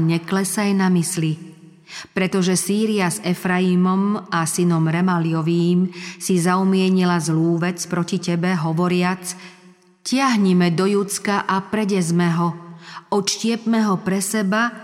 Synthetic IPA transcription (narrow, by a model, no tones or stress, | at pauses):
ɲɛklɛsajnamisli | pɾɛt̪ɔʒɛsiːɾiazɛfɾaimɔmasinɔmɾɛmaliɔʋiːmsizaumɪɛɲilazluːʋɛt͡spɾɔcicɛbɛɦɔʋɔɾɪat͡s | cɪaɦɲɛmɛd̪ɔjut͡skaʔapɾɛɟɛzmɛɦɔɔt̪ʃcɪɛpmɛɦɔpɾɛsɛba